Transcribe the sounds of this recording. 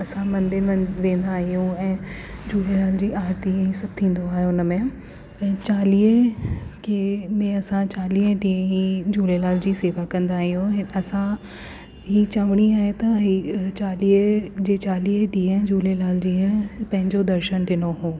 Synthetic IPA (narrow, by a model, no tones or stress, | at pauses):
ɐsãmɐ̃nd̪ɪɾʋẽːn̆d̪aːɦijũɛ̃ːd͡ʑuːlelaːld͡ʑiːaːɾt̪iɦisɐb̚t̪ʰĩːn̆d̪oaːɦeʊnəmẽ | ɛ̃ːt͡ɕaːliːəkʰemẽɐsãt͡ɕaːliːɖiːə̃ɦid͡ʑuːlelaːld͡ʑiːseːʋakɐ̃nd̪aːɦijõɦɐsã | ɦiːt͡ɕɐʋəɽ̃iaːɦet̪ɐɦit͡ɕaːliːəd͡ʑeːt͡ɕaːliːɖiːə̃ɦd͡ʑuːlelaːld͡ʑiːə̃pɐ̃ɦɪ̃ɲd͡ʑod̪ɐɾʃənɖɪnoɦũː